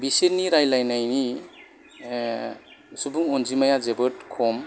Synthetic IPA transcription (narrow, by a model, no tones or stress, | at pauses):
biseniɾajlajnajni | subuŋɔnzimajazebɯtkʰɔm